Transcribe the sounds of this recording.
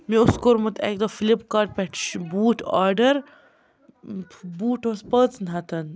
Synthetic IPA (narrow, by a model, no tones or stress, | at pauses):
miʊskoɾmut̪ɛ̰k̚d̪ofilipkaːɾʈ̚pɛʈʰʃbuːʈʰa̰ːɾɖəɾ | buːʈospəːt͡snɦɐt̪ɐn